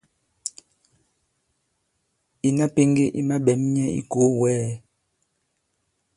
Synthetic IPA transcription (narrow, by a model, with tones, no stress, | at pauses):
i˨na˦pe˦ŋɡe˦ʔḭ˦ma˦ɓɛ˨˦m̩˦ɲɛ˦ḭ˦ɡo˨˦wɛː˦